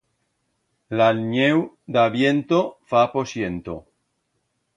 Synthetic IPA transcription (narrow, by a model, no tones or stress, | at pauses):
lalɲew | d̪aβjent̪ofaposjent̪o